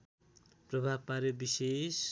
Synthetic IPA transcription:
prʌbʱabpaɾjobises

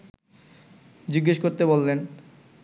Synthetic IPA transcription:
d͡ʑiɡːeʃkoɾt̪ebolːen

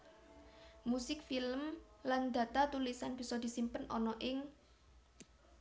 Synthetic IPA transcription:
musɪk̚filəmland̪̥ä̤t̪at̪ulisanb̥i̤sɔd̪̥i̤simpənɔnɔʔɪŋ

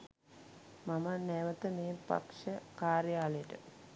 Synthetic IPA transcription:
mamənɛʋət̪əmeːpa̰pʂəkaːɾjaːləjəʈə̰

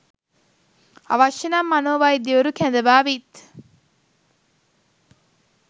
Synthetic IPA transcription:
ɐ̰ʋɐʃenamːɐnoːʋaːid̪iʋoɾukænd̪ɐʋaːʋit̪

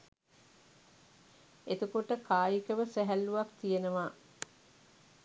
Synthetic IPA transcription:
et̪ukoʈəkʰaːjikəʋəsæɦælːuʋakt̪ijenəʋaː

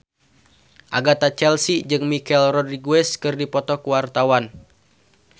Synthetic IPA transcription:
ʔa̰ɡat̪at͡ʃɛlsid͡ʒɨŋmikɛlrɔdriɡuɛskɨrdipɔt̪ɔkuwart̪awan

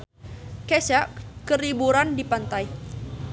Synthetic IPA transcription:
kesaʔkəɾibuɾandipant̪aj

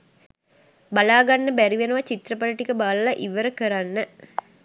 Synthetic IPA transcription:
balaːɡanːəbæɾiʋenuʋat͡ʃit̪rəpaliʈikəbaːləlaʔiʋəɾəkəɾanːə

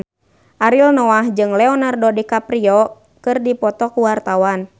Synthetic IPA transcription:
ʔaɾilnɔaɦd͡ʒɨŋlɛɔnardɔdikapɾiɔ | kɨrdipɔt̪ɔkuwart̪awan

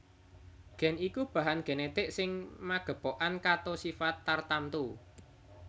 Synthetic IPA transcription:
ɡ̥ɛ̤nikub̥a̤ɦanɡ̥e̤net̪ɪʔsɪŋmaɡ̥ə̤poʔankat̪osifat̪ːart̪ant̪u

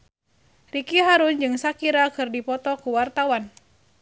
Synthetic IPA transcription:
rikiɦaɾʊnd͡ʒɨŋsakiɾakɨrdipɔt̪ɔkuwart̪awan

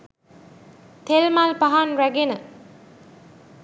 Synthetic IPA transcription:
t̪ʰelmalpaɦanræɡenə

